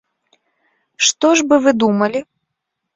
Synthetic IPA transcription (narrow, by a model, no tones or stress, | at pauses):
ʂt̪ɔʐbɨvɨd̪umɐlʲi